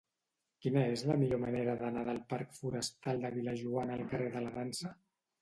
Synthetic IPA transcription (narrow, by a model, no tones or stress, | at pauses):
kinəezləmiʎoməneɾəðənaðəlˠpaɾkfuɾəst̪alˠd̪əβiləʒuanəlˠkəreðələðansə